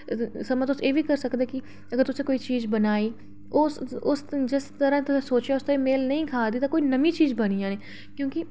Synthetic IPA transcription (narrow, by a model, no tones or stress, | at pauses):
səmãːt̪ʊseːʋiːkəɾsəkd̪eːkɪ | əɡəɾt̪ʊsẽːkoːiːt͡ʃiːzbənaːiː | ʊsʊsd͡ʒɪst̪əɾãːt̪ʊsẽːsoːt͡ʃaːʊst̪ẽːmeːlnəĩːkʰaːd̪iːt̪ãːkoːiːnəmĩːt͡ʃiːzbəñijãːneː | kjõːkɪ